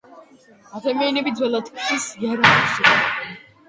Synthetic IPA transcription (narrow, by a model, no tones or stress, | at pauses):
ad̪amianɛbid̪zwɛlˠat̪ʰkʰʃisjaɾaɛsi